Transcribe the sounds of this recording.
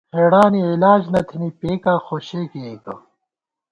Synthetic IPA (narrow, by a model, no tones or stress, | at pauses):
xeːɽaːniilaːd͡ʑnɐt̪ʰinipeːkaːxoːɕeːkiek̪o